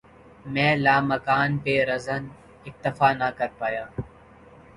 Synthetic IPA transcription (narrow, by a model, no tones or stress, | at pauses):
mɛ̃ːlaːmɐkaːnpeɾɐzən | ɪk̚t̪ɐfaːnakɐɾpaːjaː